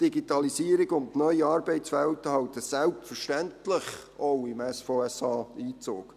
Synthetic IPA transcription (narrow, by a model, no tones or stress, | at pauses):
d̥iɡitɑlisiːəɾɪɡʊntnœʏiɑːɾbeɪt͡sfɛltəhɑwtəsɛlpfəɾʃtɛntlɪχowɪmɛsfoɛsɑːiːt͡so̰ːk